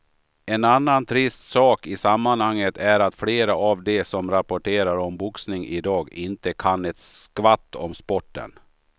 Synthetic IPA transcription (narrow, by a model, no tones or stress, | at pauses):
ɛnanːant̪ʰɾɪst̪sɑːkɪsamːanhaŋːət̪ʰæɾat̪fleːɾaavd̪ɛsɔmɾapɔʈʰeːɾaɾɔmbʊksnɪŋʔɪd̪ɑːɡɪnt̪əkʰanɛt̪sskvat̪ːɔmspɔʈːə̰n